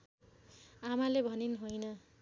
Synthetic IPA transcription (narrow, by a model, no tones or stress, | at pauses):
amalebʱʌninɦojnʌ